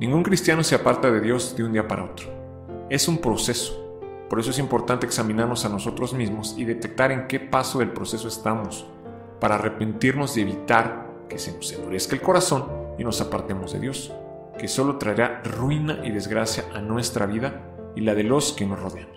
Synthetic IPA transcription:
nĩŋɡuŋkɾist̪jano̞seapaɾt̪aðe̞ðjo̞zðeund̪iapaɾa̰o̞t̪ɾo | e̞sumpɾo̞se̞so̥ | po̞ɾesoe̞s̬impo̞ɾt̪ant̪eːksamĩnaɾno̞sano̞so̞t̪ɾo̞zmizmo̞siðe̞t̪e̞k̚t̪aɾe̞ŋke̞pasoðe̞lpɾo̞se̞so̞est̪amo̞s | paɾaːre̞pe̞nt̪iɾno̞zee̞βit̪aɾ | ke̞senosefoɾe̞skelko̞ɾaso̞nino̞sapaɾt̪e̞mo̞zðe̞̰ðjo̞s | ke̞so̞lo̞t̪ɾaeɾarwinaʔiðe̞zɣɾasjaʔanwe̞st̪ɾaβiða | ilað̞e̞lo̞ske̞no̞sro̞ðeamos

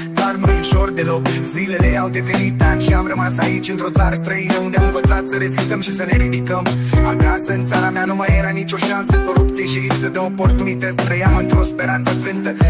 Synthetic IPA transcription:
d̪arnujuʃo̞rd̪e̞lo̞kzile̞le̞awd̪e̞venit̪at̪ʃiamrəmasait͡ʃʲɨnt̪ɾo̞t̪saɾəst̪ɾəinəund̪eamɨɱvət̪sat̪səɾe̞zist̪əmʃisəle̞ɾid̪ikəmakasəɨnt̪saɾameanumajeɾanit͡ʃʲo̞ʃansəko̞ɾup̚t̪sijeʃilipsəd̪eopo̞rt̪unit̪ət̪sʲp̪ɾəjamɨnt̪ɾo̞spe̞ɾant̪səflɨnt̪ə

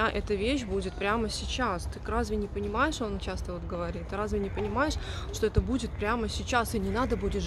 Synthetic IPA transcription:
aʔɛt̪əvʲeɕ̬budʲɪt̪̚pɾʲaməsʲɪt͡ɕast̪ɨrazvʲɪnʲɪpənʲɪmajɪʂont͡ɕast̪əvot̪ɡəvɐɾʲit̪ɨɾazvʲɪnʲɪpənʲɪmajɪʂʂt̪o̞ɛt̪əbudʲɪt̪̚pɾʲaməsʲɪt͡ɕasɨnʲɪnad̪əbudʲɪʂ

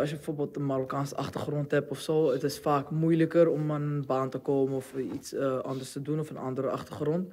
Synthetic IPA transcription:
ɑsjəbəfoːbeːlˠtənmaɾokaːnsəʔɑχtərχrɔntɦɛpɔfsoːətɪsfaːkmujləkəɾɔmənbaːntəkoːmənɔfitsəʔɑndərstədunɔfənɑ̰ndəɾəʔɑ̰χtərχrɔnt

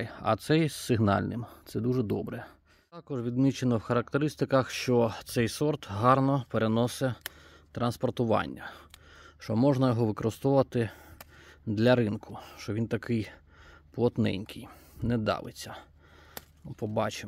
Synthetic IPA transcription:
jɐ̰t̪sɛjssɪɦnɑ̰lʲnɪ̰mt̪sɛd̪uʒɛd̪ɔ̰bɾɛ | ɑkɔʒʋʲid̪mʲit͡ʃenɔwxɐɾɐk̚t̪eɾɪst̪ɪkɐxʃt͡ʃɔt̪sɛjsɔrt̪ɦɑrnɔpeɾenɔsɛ | t̪ɾɐnspɔrt̪ʊʋɑ̰nʲːɐ | ʃt͡ʃɔmɔʒnɐjɔɦɔʋɪkɔɾɪst̪ɔʋɐt̪ɪ | d̪lʲɐɾɪnkʰʊʃt͡ʃɔʋint̪ɐkɪj | plˠɔt̪nɛ̰nʲkʰɪj | nɛd̪ɑ̰ʋɪ̰t͡sʲːɐ | pɔbɑt͡ʃem

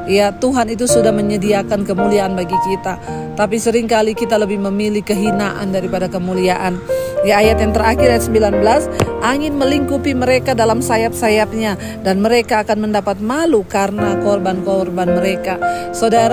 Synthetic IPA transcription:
jat̪uɦanit̪̬usudahməɲədiakankəmuliaanbaɡikit̪a | t̪ap̬isəɾɪŋkalikit̪aləbɪhməmilikəɦinaʔa̰ndaɾipadakəmuliaʔandiajat̪jaŋt̪əɾakɪrajat̪səmbilanbəlasʔaŋɪnməliŋkupiməɾekadalamsajap̪̚sajap̪̚ɲa | danməɾekaːkanməndapat̪̚malukaɾənakɔrbankɔrbanməɾekasadaɾ

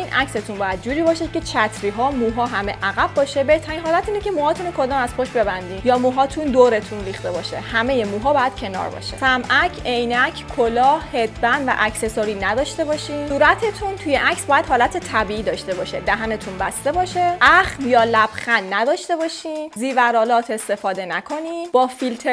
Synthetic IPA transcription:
inʔæcse̞t̪ʰunbɒːjæd̪̚d͡ʒuːɾiːbɒːʃe̥cʰet͡ʃʰæt̪ʰɾiːɦɒːmuːɦɒːɦæme̞̰ʔæɣæbːɒːʃe̞be̞ht̪ʰæɾinɦɒːlæt̪iːnecʰe̞muːhɒːt̪ʰunokʰo̞d̪ɒːmæz̥xoʃbe̞bænd̪iːnjɒːmuːɦɒːt̪ʰund̪oɾe̞t̪ʰunɾiːχt̪e̞bɒʃḛhæmeje̞muːɦɒːbɒːjæd̪̥cʰe̞nɒ̰ɾbɒ̰ʃḛsæmʔæcʰe̞jnæcʰkʰolɒːhhe̞d̪bænd̪væ̰ʔæcse̞soːɾiːnæd̪ɒːʃt̪e̞bɒːʃiːsuːɾæt̪ʰe̞t̪ʰunt̪ʰujeʔæcsbɒːjæd̪ɦɒːlæt̪ʰe̞t̪ʰæbiːiːd̪ɒʃt̪e̞bɒʃe̞d̪æɦæne̞t̪ʰunbæst̪e̞bɒːʃeʔæχljɒːlæb̥xænːæd̪ɒːʃt̪e̞bɒːʃiːnziːvæɾɒːlɒːt̪ʰe̞st̪e̞fɒːd̪e̞nækʰo̞niːb̥ɒːfilt̪ʰe

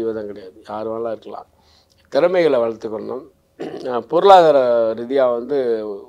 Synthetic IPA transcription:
ɪʋɐðãːŋkɪɐɽɐjaːðɯjaːɾɯʋaːnɐlaːɪɾɯkːɐlã̰ː | t̪ɪɾɯmɐɪɣɐɭɐʋɐɭɐɾt̪ːɯkːɔɳɐɳɯm | pʊɾɯɭaːɣaːɾɐɾɪðɪjaːʋɐnd̪ɯ

